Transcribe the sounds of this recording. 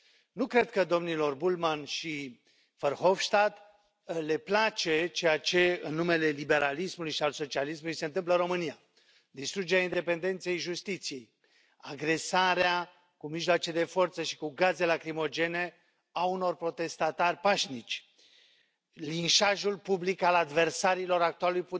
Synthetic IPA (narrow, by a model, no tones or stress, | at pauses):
nukɾe̞d̪kəd̪o̞mnilo̞rbulmanʃi | fərho̞fʃt̪at̪ | le̞plat͡ʃe̞t͡ʃe̞jat͡ʃe̞ɨnːume̞le̞libe̞ɾʔalismulujʃialso̞t͡ʃialismulujse̞ɨnt̪ɨmp̬ləɨɾo̞mɨnija | d̪ist̪ɾud͡ʒe̞ɾʲejaind̪e̞pe̞nd̪e̞nt̪se̞jʒust̪it̪sije̞j | aɡɾe̞saɾea | kumiʒloat͡ʃed̪e̞fo̞rt̪səʃi̥kuɡaze̞lakɾimo̞d͡ʒe̞ne | auno̞rpɾo̞t̪e̞st̪at̪arʲpaʃnit͡ʃʲ | linʃaʒulpublikalad̪ve̞rsaɾilo̞ɾak̚t̪ualuujpu